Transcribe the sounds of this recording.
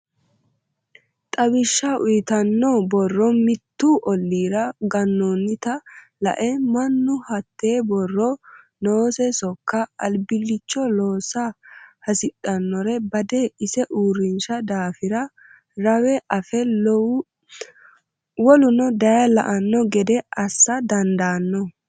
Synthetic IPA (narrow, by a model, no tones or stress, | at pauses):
t̪ʼɐbɪʃːɐʔʊjɪt̪ɐnːɔbɔrːɔmɪt̪ːuːʔɔlːiːɾɐɡɐnːoːnːɪt̪ɐ | lɐ̰ʔɛmɐnːʊhɐt̪ːeːbɔrːɔ | noːsɛsɔkːɐɐlbɪlːɪt͡ʃːɔlo̞ːsɐhɐsɪɗɐnːɔɾɛbɐd̪ɛɪsɛʔuːɾɪnʃɐd̪aːfɪɾɐ | ɾɐwɛʔɐfɛ | wɔlʊnɔd̪ɐjɐlɐ̰ʔɐnːɔɡɛd̪ɛʔɐsːɐd̪ɐnd̪aːnːɔ